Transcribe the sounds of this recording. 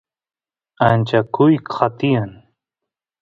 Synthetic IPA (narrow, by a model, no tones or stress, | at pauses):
ant͡ʃakʊjkqʰat̪ɪjan